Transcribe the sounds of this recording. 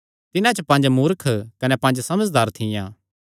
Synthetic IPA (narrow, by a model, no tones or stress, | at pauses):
t̪ɪnãt͡ʃɐpɐ̃ːnd͡ʒmuːɾkʰkɐnɛpɐ̃nd͡ʒsɐməd͡ʒd̪aːɾt̪ʰɪjãː